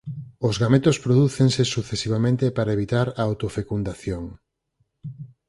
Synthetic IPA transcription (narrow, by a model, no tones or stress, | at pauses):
ʊzɣamet̪ospɾoðuθeŋsesuθesiβ̞amẽnt̪epaɾaeβ̞it̪aɾaːwt̪ofekund̪aθjoŋ